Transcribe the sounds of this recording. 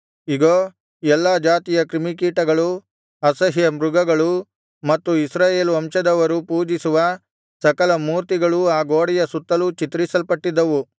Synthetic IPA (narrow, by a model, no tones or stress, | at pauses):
iɡo | ɛlːɐd͡ʒaːt̪ijɐkɾimik̬iːʈɐɡɐɭu | ɐsɐɦijɐmɾuɡɐɡɐɭu | mɐt̪ːuisɾaːje̞ːluɐmʃɐd̪ɐʋɐɾupuːd͡ʒisuʋɐ | sɐkɐlɐmuːɾt̪iɡɐɭuaːɡoːɽijɐsut̪ːɐlut͡ʃit̪ɾisɐlpɐʈːid̪ːɐʋu